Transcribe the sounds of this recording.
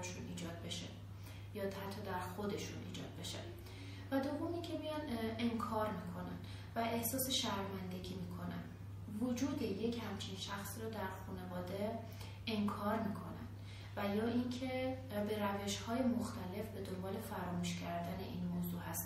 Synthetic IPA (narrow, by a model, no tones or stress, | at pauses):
eʃunʔiːd͡ʒɒːd̪̚be̞ʃe | jɒːt̪ʰæt̪ʰːɒːd̪æɾxo̞d̪e̞ʃṵnʔḭːd͡ʒɒ̰ːd̪̥̚be̞ʃæ̰n | væd̪o̞vːomiŋcʰe̞mijɒne̞ŋkʰɒːɾmiːkʰo̞næ̰n | væehsɒːse̞ʃæɾmænd̪e̞ɟiːmiːkʰo̞næ̰nd̪ | vod͡ʒuːd̪eje̞cʰhæmt͡ʃʰinʃæxsiːɾɒːd̪æɾxune̞vɒːd̪e | eŋkʰɒːɾmiːkʰo̞̰næn | væjɒːʔincʰe̞ | be̞ɾæve̞ʃhɒːje̞moxt̪ʰæle̞fbe̞d̪o̞mbɒːle̞fæɾɒːmuːʃcʰæɾd̪æne̞ʔiːnmoːzuːhæst̪